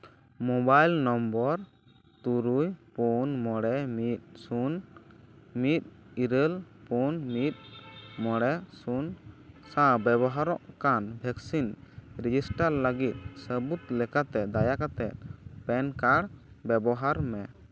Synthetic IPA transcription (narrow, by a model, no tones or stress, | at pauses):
mɔbajlnɔmbɔɾ | t̪uɾujpunmɔɽɛmit̪̚sun | mit̪̚iɾəlpunmit̪̚mɔɽɛsunsãbɛbɔɦaɾɔʔkanbʱɛksinɾid͡ʒisʈaɾləɡit̪̚səbut̪lɛkat̪ɛd̪ajakat̪ɛt̪̚pɛnkaɽ | bɛbɔɦaɾmɛ